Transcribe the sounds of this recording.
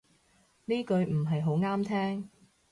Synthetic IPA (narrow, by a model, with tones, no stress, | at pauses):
niː˥kɵ˨˧ɥm̩˨˩ɦɐ˨jɦo˨˥wŋaː˥mt̪ʰɛː˥ŋ